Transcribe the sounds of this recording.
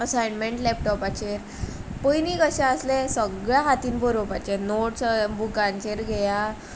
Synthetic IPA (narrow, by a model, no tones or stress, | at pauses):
əsajnmeɳʈlɛp̚ʈɔpat͡ɕeɾ | pəjnikəɕãəslesəɡɭjaɦat̪iːnbəɾopat͡ɕenoʈbukãnt͡ɕeɾɡʱɛja